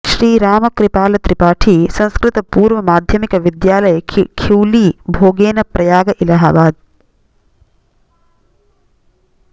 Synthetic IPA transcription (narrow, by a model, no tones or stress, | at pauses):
ʃɾiːɾaːmɐkɾipaːlɐt̪ɾipaːʈʰiːsɐ̃ñskɾɪt̪ɐpuːɾʋɐmaːd̪ʱjɐmikɐʋid̪jaːlɐjɐkʰiwliːbʱoːɡeːnɐpɾɐjaːɡɐʔilɐɦɐbaːd̪̚